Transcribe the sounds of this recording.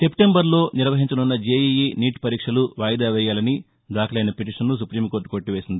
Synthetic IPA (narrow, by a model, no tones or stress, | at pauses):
se̞pʈe̞mbɐɾlo̞ːniɾʋɐɦiɲt͡ʃɐnunːɐd͡ʒeːjijiniːʈpɐɾiːkʂɐluʋaːjd̪aːʋɛːjaːlɐni | d̪aːkʰɐlɐjnɐpeʈiʂɐnːus̬upɾiːmkoɾʈːu̥koɾʈːiʋeːsind̪i